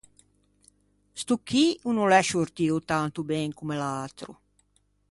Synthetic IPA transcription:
st̪ukʰːiunulɛʃoɾt̪iut̪ant̪ubɛŋkumelalt̪ɾṵ

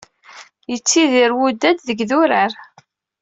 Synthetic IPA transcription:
jət͡sːiðiɾwud̪ːæd̪ðəɡðuɾaɾ

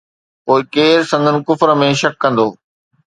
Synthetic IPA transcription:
poːɪkeːɾsɐ̃nd̪ənɪ̆kʊfɾəmẽʃɐkːɐ̃nd̪oː

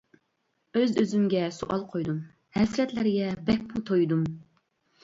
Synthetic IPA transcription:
øzøzymɡʲɛsuʔɑlˠqʰojd̪um | hɛsɾɛt̪lɪɾɪɡʲɛbɛk̚ʲmut̪ʰojd̪um

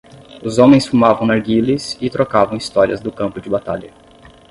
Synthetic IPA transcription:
ʊzõmẽj̃sfumavɐ̃w̃naɾɡilɪsɪt̪ɾokavɐ̃w̃ist̪ɔɾiɐzd̪ʊkɐ̃mpʊd͡ʒɪbat̪aʎɐ

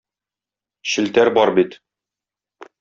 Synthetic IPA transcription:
ɕɘ̆lt̪æɾbɒɾbit̪

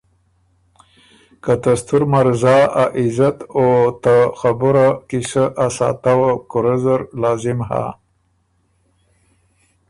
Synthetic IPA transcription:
kat̪ast̪uɾmaɾzɑaʔɪzat̪ot̪axabuɾakisaʔasɑ̰ːt̪awakʊɾazəɾlɑzɪmha̰

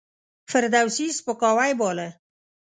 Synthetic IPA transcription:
fɪɾd̪awsispəkɑwajbɑːle

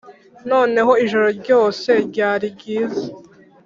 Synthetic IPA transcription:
no̞ːne̞ɦo̞iʒo̞ɾo̞ɾɟo̞ːse̞ɾɟaːɾiɟiːze

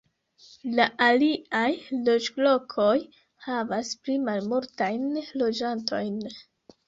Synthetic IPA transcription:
laʔaliajlot͡ʃblo̞kʰo̞j | havasplimalmultajnlo̞d͡ʒantʰo̞jn

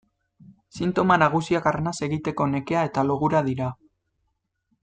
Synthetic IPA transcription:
sint̪o̞manaɣ̞usiakaɾnase̞ɣit̪e̞ko̞ne̞ke̞ae̞t̪aloɣuɾaðiɾa

